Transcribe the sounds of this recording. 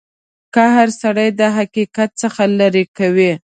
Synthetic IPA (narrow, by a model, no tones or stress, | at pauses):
kaɦaɾsaɽajd̪əɦakikat̪̚səxalaɾekawi